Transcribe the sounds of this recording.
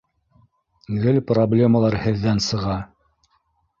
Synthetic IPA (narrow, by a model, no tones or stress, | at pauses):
ɡɘlproblʲe̞məlˠɑɾhɘ̆ðːænsɤ̆ʁɑ